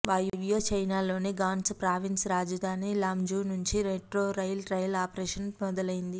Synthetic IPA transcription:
ʋɐjʋjoːt͡ʃɐjnaːlo̞ːniɡaːnspɾaːʋinsɾaːd͡ʒɐd̪ʱaːnilaːmd͡ʒuːnuɲt͡ʃiɾeʈɾoːɾɐjlɾɐjlaːpɾeːʂɐnmɔd̪ɐlɐjind̪i

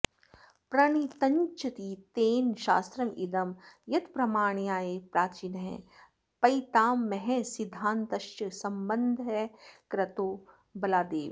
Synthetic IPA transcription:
pɾɐɽ̃it̪ɐ̃ɲt͡ʃɐt̪it̪eːnʃa̰ːst̪ɾɐmid̪ɐmjɐt̪pɾɐmaːɳ̃ijaːepɾaːt͡ʃinɦɛ̰̃ | pɐit̪aːmːɛɦɛ̃sɪd̪ʱːaːnt̪ɐʃjəsɐmbɐnd̪ʱɦɛkɾɐt̪oː | bɐlaːd̪eːʋ

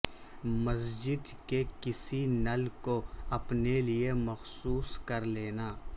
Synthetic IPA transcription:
mɐsd͡ʒɪd̪kekɪsinɐlkoɐpneliemɐxsuːskɐɾleːnaː

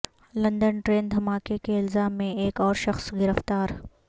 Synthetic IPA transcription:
lɐ̃nd̪ənʈɾeːnd̪ʱɐmaːkekeɪlzaːmːẽeːkɔːɾʃɐxsɡɪɾəft̪aːɾ

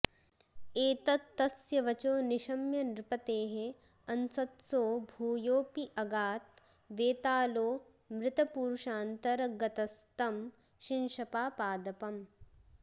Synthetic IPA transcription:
eːt̪ɐt̪ːɐsjɐʋɐt͡ʃoːnɪʃɐmjɐnɾɪpɐt̪eːɦe | ɐnsɐt̪soːbʱuːjoːpiʔɐɡaːt̪̚ | ʋeːt̪aːloː | mɾɪt̪ɐpuːɾʃaːnt̪ɐɾɐɡɐt̪ɐst̪ɐm | ʃɪnʃɐpaːpaːd̪ɐpɐm

